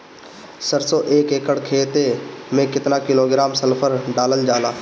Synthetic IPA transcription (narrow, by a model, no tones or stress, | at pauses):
səɾsoːʔeːkeːkəɽkʰeːt̪emẽkɪt̪nakɪloːɡɾaːmsəlpʰəɾɖaːlənd͡ʒaːlaː